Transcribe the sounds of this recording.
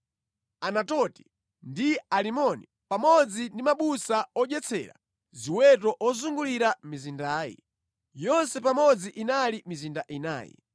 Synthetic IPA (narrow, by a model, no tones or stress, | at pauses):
anatɔti̥ | ndialimɔni | pamɔd͡zindimaɓusaɔʄɛt͡sʰɛ̰ɾa̰ | ziwɛt̬ɔʔɔzuŋɡuliɾamizindaːjḭ | jɔnsɛpamɔd͡ziʔinalimizindaʔina̰ːjɛ̰